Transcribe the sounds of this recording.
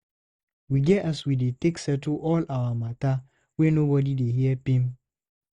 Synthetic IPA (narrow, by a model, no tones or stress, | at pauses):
wiɡɛaswideteksɛtuʔɔlawamata | wɛnobɔdideɦiɛpĩm